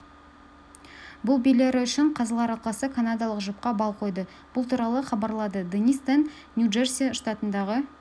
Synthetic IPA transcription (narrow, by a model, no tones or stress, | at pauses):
bʊlˠbijleɾɪʏʃɪɴqʰɑzəlˠɑɾɑlˠqɑsəkʰanad̪ɑlˠəqʒəp̚qɑbɑlˠqʰo̞jd̪ə | b̥ʊlˠt̪ʰuɾɑlˠəχɑbɑɾlˠɑd̪əd̪enijst̪anːʲ | juʒersʲijaʃt̪at̪ənd̪ɑʁə